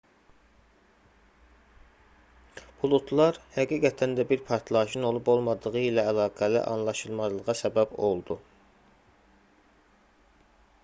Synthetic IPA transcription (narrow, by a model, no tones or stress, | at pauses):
b̥ʰulˠut̪ʰlˠɑɾhæɡiːɡæt̪ʰænd̪æbiɾpʰɑɾt̪ʰlˠɑʃɯno̞lˠubo̞lˠmɑd̪ɯʁɯilæːlˠɑːɡælḭʔɑ̰nlˠɑʃɯlˠmɑzlˠɯʁɑsæbæbo̞lˠd̪u